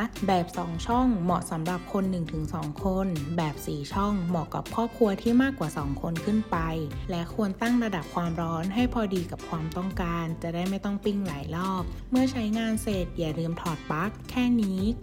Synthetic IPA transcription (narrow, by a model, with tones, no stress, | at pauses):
bɛː˨˩p̚sɔː˩˦ŋt͡ɕʰɔ˥˩ŋmɔ̰˨˩ʔsa˩˦mɾa˨˩p̚kʰo˧nːɯ˨˩ŋt̪ʰɯ˩˦ŋsɔː˩˦ŋkʰo˧nbɛː˨˩p̚siː˨˩t͡ɕʰɔ˥˩ŋmɔ˨˩ka̰˨˩p̚ʰɔː˥˩kʰu˧ɐt̪ʰiː˥˩maː˥˩kːwaː˨˩sɔː˩˦ŋkʰo˧nkʰɯ˥˩npa˧jlɛ˦˥kʰu˧ənt̪a˥˩ŋɾa˧da˨˩p̚kʰwaː˧mɾɔː˦˥nɦa˥˩jpʰɔː˧diː˧ka˨˩p̚kʰwaː˧mt̪ɔ˥˩ŋkaː˧nt͡ɕa˨˩daː˥˩jma˥˩jt̪ɔ˥˩ŋpi˥˩ŋlaː˩˦jlɔː˥˩p̚mɯ˥˩ɐt͡ɕʰa˦˥jŋaː˧nse˨˩t̪̚jaː˨˩ɾɯː˧mt̪ʰɔː˨˩t̪̚pa˦˥kʰːɛː˥˩niː˦˥